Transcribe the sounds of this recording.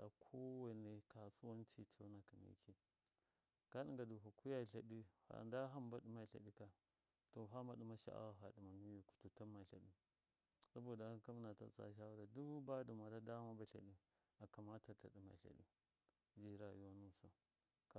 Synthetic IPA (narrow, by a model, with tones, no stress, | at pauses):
ɗa̰˨kʰo˦wa˦ne˨ka˨su˦wa˦n˦t͡ʃi˦t͡ʃo˦na˨ka˨mḭ˨˦kʰi˦ | ka˦ɗi˦ŋɡa˨du˨ɦu˨ku˦ja˦˨ɬa˨ɗi˦ha̰˨nda˦ɦa˦mba˦ɗi˦ma˨ɬa̰˨ɗi˦ka˨ | to˨ɦa˦ma˨ɗi˨ma˦ʃa̰˨ʔa̰˦wa˨ɦa˨ɗi˨ma˨mi˦ju˨ku̥˨tu˨ta˦ma˨ɬa̰˨ɗi˦ | sa˦bo˨da˨˦ka˦m˦na˨ta̰˨t͡sa̰˦ʃ̬a˦wa˦da˨du˦ba˦du˨ma˨da˦da˦ma˦ba˨ɬa̰˨ɗi˦ | a˨ka˨ma˦ta˨ta̰˨ɗi˨ma̰˨ɬa̰˨ɗḭ˦ | d͡ʒi˦ɾa˨jo˦nu˦˨sa˨ | k